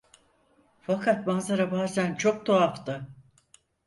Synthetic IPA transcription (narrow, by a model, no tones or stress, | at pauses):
fakʰat̪̚banzaɾabaːzænt͡ʃʰo̞k̚t̪ʰoaft̪ɯ